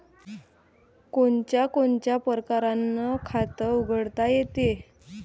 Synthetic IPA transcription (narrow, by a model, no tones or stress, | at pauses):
koɳt͡ɕjakoɳt͡ɕjapəɾkaɾanːəkʰat̪əuɡʱəɽt̪ajet̪e